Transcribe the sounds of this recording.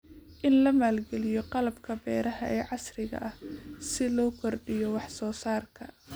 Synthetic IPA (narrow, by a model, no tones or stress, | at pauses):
ʔɪnlɐmaːlɡɛlɪjɔqɑlɐbkʰɐbɛːɾɐɦɐʔɛːʕɑsrɪɣɐ̰ʔɐhsɪlɔːkʰɔrɖɪjɔwɑħsɔːsaːrkʰɐ